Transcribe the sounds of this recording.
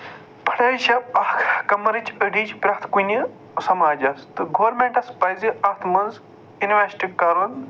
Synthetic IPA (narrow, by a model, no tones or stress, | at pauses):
pʰɐ̥ɽɐːjʃɐpɐkʰkɐmɐɾɨt͡ʃəɖiːt͡ʃpɾɐkʰt̪ʰkunʲi | sɐmaːd͡ʒɐst̪ɨɡoʋɐɾmeɳʈɐspɐjziɐkt̪ʰmɐnz | inʋesʈikɐɾɐn